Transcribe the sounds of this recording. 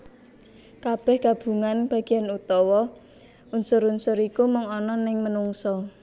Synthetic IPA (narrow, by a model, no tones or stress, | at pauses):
kab̥ɛhɡ̥ab̥ṳŋanb̥ä̤ɡ̥i̤janut̪ɔwɔ | unsʊɾunsʊɾikumʊŋɔnɔnɪŋmənuŋsɔ